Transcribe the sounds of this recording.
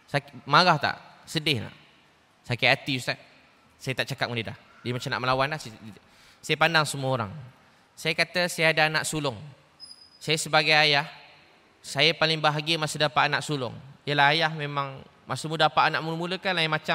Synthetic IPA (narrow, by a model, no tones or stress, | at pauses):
sakmaɣaht̪a̰ʔsədɪhna̰ʔ | sakaat̪iust̪aʔ | sajət̪aʔt͡ʃakat̪̚mudida̰h | diəmat͡ʃamna̰ʔməlawanlahs | sajəpandaŋsəmuəoɾa̰ŋ | sajakat̪əsajaadaana̰ʔsulʊŋ | sajasəbaɡajajah | sajapalɪŋbaɦaɡiəmasudapaʔanaʔsulʊ̰ŋijəlaɦajahmemaŋ | masumudapaʔanaʔmuləmuləkanlajimat͡ʃa